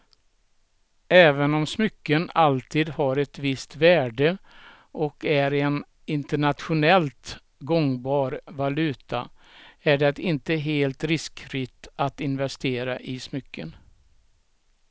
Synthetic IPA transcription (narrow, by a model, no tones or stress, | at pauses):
ɛːvənɔmsmʏkːənalt̪ʰiːd̪haɾɛt̪vɪst̪væːɖə | ʔɔkæɾɛn | ɪnt̪əɳat̪ɧʊnɛlt̪ | ɡɔŋbɑːɾvalʉ̟ːt̪ʰa̰æɖɛt̪ɪnt̪əɦeːlt̪ɾɪskfɾɪt̪at̪ɪnvɛst̪eːɾa̰ʔɪsmʏkʰːə̰n